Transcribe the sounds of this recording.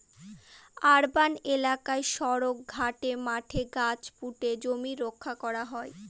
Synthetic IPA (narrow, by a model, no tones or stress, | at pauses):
aɾbanelakaeʃɔɾok̚ɡʱaʈemaʈʰeɡat͡ɕpuʈed͡ʑomiɾokʰːakɔɾaɦɔe